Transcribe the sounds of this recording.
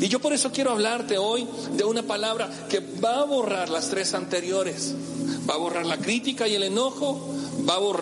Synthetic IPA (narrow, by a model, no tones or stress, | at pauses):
iʝo̞po̞ɾe̞so̞kje̞ɾo̞aβlaɾt̪e̞o̞j | d̪e̞unapalaβɾa | ke̞ | baβo̞raɾlast̪ɾe̞sant̪e̞ɾjo̞ɾe̞s | baβo̞raɾlakɾit̪ikaie̞le̞no̞xo̞baβor